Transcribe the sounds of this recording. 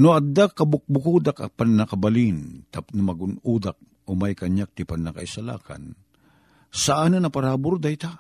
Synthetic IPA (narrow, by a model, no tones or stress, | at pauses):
noɐd̪akːɐbʊk̚bʊkud̪aka̰pannakɐbalint̪apnɐmɐɡʊnud̪ak̚ | ʔomajkɐɲjak̚t̪ɪpanːaka̰isala̰ːkʰa̰n | saʔanɨnɐpaɾaːbʊɾd̪ajt̪a